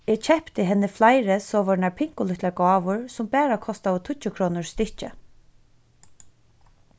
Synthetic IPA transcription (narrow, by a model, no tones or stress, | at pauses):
ɛːt͡ʃʰɛhpt̪ɪɦɛnːɪflajɾɪsɔːʋɔnaɹpʰɪŋ̥kʊlʏht̪laɹɡɔːʋʊɹsʊmpæːɾakʰɔst̪aʋʊt̪ʰʊt͡ʃːʊkʰɾɔːnʊɹst̪ɪht͡ʃə̰